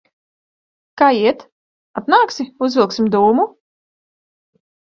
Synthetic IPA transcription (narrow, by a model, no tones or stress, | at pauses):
kaːiɛt̪ | at̪naːksʲiuzvʲilˠksʲimd̪uːmu